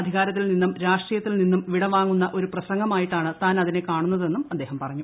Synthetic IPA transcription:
ɐd̪ʱiɣaːɾɐt̪ːilninːumɾaːʂʈriːjɐt̪ːilninːumʋiɽɐʋaːŋːunːɐʔo̞ɾuprɐɕɐŋɡɐmaːjiʈːaːɳɨt̪aːnɐðine̞kaːɳunːɐðe̞nːumɐd̪ːeːɦɐmpɐrɐɲːu

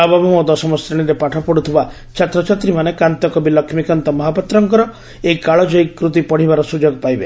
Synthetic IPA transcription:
abɔbɔmɔd̪ɔsɔmɔst̪ɾiɽ̃iɾepaʈʰɔpɔɽut̪ʰiba | t͡ʃʰat̪ɾɔt͡ʃat̪ɾimanekant̪ɔkɔbilɔkʰmikant̪ɔmɔɦapɔt̪ɾɔŋkɔɾɔ | ejkaɭɔd͡ʒɔikːɾut̪̬ipɔɽ̤ibaɾɔsud͡ʒoɡpajbe

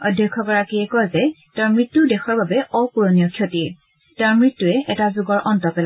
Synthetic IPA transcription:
ɔdʱjɔkʰːɔkɔɹakiɛkɔjzɛtaɹmɹitːudɛxɔɹbabɛʔɔpuɹonijɔkʰjotiɹ | taɹmɹitːuɛʔɛtazuɡɔɹʔɔntɔpɛla

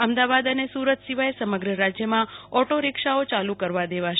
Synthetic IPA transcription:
əmd̪aʋad̪ənesuɾət̪siʋaesəməɡɾəɾad͡ʒjəmãɔʈoɾɪkʃaot͡ʃalũkəɾʋad̪eʋaʃ

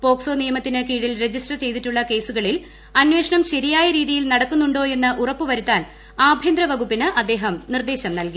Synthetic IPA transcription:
po̞ːkso̞ːnijɐmɐt̪ːinɨkiːɽilre̞d͡ʑisʈrɐt͡ɕe̞jt̪iʈːuɭːɐke̞ːsuɣɐɭil | ɐnʋe̞ːʂɐɳɐmɕɐɾijaːjɐɾiːðijilnɐɽɐkːunːuɳɖo̞ːe̞nːɨʔurɐpːuʋɐɾut̪ːaːn | aːbʱjɐnd̪ɾɐʋɐɡupːinɨʔɐd̪ːe̞ːɦɐmnird̪e̞ːɕɐmnɐlki

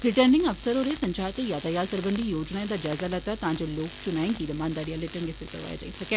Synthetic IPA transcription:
ɾɪʈəɾnɪ̃ŋɡɐfsəɾoːɾesɐ̃ɲt͡ʃaːt̪ejaːd̪ajaːɾsəɾbənd̪ʱijoːd͡ʒnaẽd̪ad͡ʒaːzalɐt̪at̪ɐãɲd͡ʒoloːkt͡ʃʊnaːĩŋkiɾɐmaːnd̪aːɽijaleʈənɡesəɾkɐɾʋa̰ːja̰d͡ʒa̰ːisɐkeː

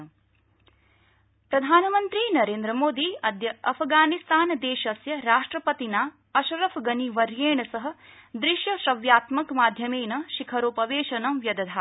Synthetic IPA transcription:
pɾɐd̪ʱaːnɐmɐnt̪ɾinɐɾeːnd̪ɾɐmoːd̪iɐd̪jɐɐpʰɡaːnist̪aːnd̪eːʃɐsjɐɾaːʂʈɾɐpɐt̪inaː | ɐʃɐɾɐfʰɡɐniʋɐɾjeːɳɐsɐɦɐ̆d̪ɾiʃjɐʃɐʋjaːt̪mɐkmaːd̪ʱjɐmeːnɐʃikʰɐɾoːpɐʋeːʃɐnɐmʋjɐd̪ɐd̪ʱaː

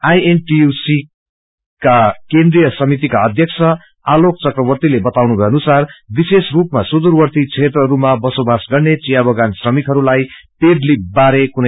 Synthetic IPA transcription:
ajenʈiusi | kakend̪rijʌsʌmit̪ikaʌd̪ʱjʌksʰʌ | alok̚t͡sʌkrʌbʌrt̪ilebʌt̪awnubʱʌjʌnusarbisesrupmasud̪urwʌrt̪it͡sʰet̪rʌɦɾumabʌsobasɡʌrnet͡sijabʌɡansrʌmik̪ɦʌɾulajpedlibaɾekunʌ

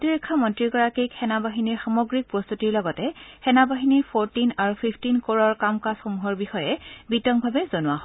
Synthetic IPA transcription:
tiɹikʰːɔmɔntɹiɡɔɹakikxɛnabaɦiniɹxamɔɡɹik̚pɹɔst̪utiɹlɔɡɔtɛxɛnabaɦiniɹpʰoɹtinaɹupʰipʰtinkoɹɔɹkamkasxomuɦɔɹbixɔjɛbitɔŋbʱabɛzonʊwaɦɔ

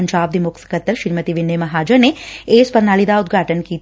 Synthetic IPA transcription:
ɲt͡ʃaːb̚d̪imʊksɐ̥kɐt̪ːəɾʃiɾmət̪iʋɪnːemɐɦaːd͡ʒɐneeːspɐɾnaːlid̪aːʊd̪̚ɡʱaːʈənkiːt̪

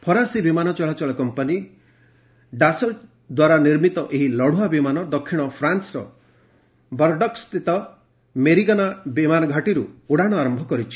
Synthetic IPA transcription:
pʰɔɾasibimanɔt͡ʃɔɭat͡ʃɔɭɔkɔmpani | ɖasɔl | d̪waɾaniɾmit̪ɔʔeɦilɔɽ̤uabimanɔd̪ɔkʰːiɽ̃ɔpʰɾansɾɔ̰ | bɔɾɖɔkst̪ʰit̪ɔ | meɾikanabimanɔɡʱaʈiɾuuɽaɽ̃ɔaɾɔmbʱɔkɔɾit͡ʃʰi̥

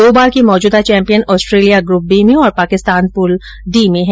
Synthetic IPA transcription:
oːbaːɾkimɔːd͡ʒuːd̪at͡ʃɛ̃ːmpijənɔːsʈɾeːlijaɡɾup̚biːmẽɔːɾpaːkɪst̪aːnpʊl | ɖiːmẽɦɛ

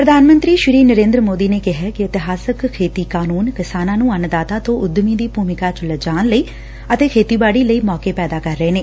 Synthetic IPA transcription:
pɾəd̪ʱaːnmə̃nt̪ɾiːʃɪɾiːnəɾẽːnd̪ɾəmoːd̪iːneːkɪɦɛːkɪɪt̪ɪɦaːsəkkʰːeːt̪iːkaːnuːnkɪsaːnãːnũːənd̪aːt̪aːt̪õːʔʊd̪miːd̪iːpuːmɪkaːt͡ʃləd͡ʒaːnləiː | ət̪eːkʰeːt̪iːbaːɽiːləiːmɔːkeːpɛːd̪aːkəɾːəeːneː

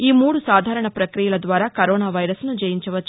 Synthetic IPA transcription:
iːmuːɽusaːd̪ʱaːɾɐɳɐpɾɐkɾijɐlɐd̪ʋaːɾaːkɐɾoːnaːʋɐjɾɐsnud͡ʒɐjiɲt͡ʃɐʋɐt͡ʃː

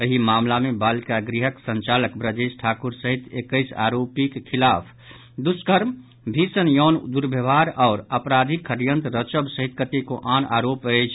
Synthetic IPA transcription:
əɦimamlamebalkaɡɾiɦəksə̃nt͡ʃaləkbɾəd͡ʒesʈʰakuɾsəɦit̪ekəɪsa̰ɾopikkʰilapʰ | d̪uskəɾm | bʱisənjɔːnd̪uɾbʱəbʱaɾɔːɾəpɾad̪ʱikʰəɾjənt̪ɾət͡ʃəbsəɦit̪kət̪ekoʔanaɾopət͡ʃʰ

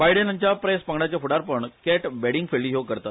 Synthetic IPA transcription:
bajɽenəɲt͡ɕjapɾespəɡɳat͡ɕjafuɽaɾpəɳkɛʈbɛɽĩŋɡfʰeɭːiːɦewkəɾt̪at̪

